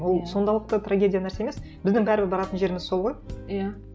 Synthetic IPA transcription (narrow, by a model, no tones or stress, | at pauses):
wo̞lˠso̞nd̪ɑlˠəq̚t̪ət̪ʰraɡʲe̞dʲijanæɾseemesbɪzd̪ɪŋbæɾɪbɪɾbɑɾɑt̪ənʒe̞ɾɪmɪzso̞lˠʁo̞jja